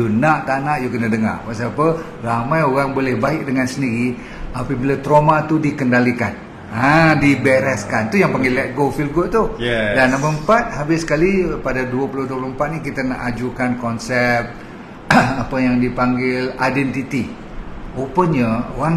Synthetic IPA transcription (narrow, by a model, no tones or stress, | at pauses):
junaʔt̪anaʔjukənədəŋa̰rpaʔsapə | ramajoɾaŋbolɛhbaɪk̚dəŋansəndiɾi | apəbilat̪ɾomat̪udikəndalikan | adibɛɾɛskant̪ujaŋpaŋɡilɛʔ̚ɡofilɡot̪udanambəmpat̪̚habɪsə̥kalipadaduəpulʊduəplumpat̪̚nikit̪əna̰ʔad͡ʒukankɔnsɛp̪̚ | apəjaŋdipaŋɡɪla̰jdɛnt̪it̪i | opəɲəoaŋ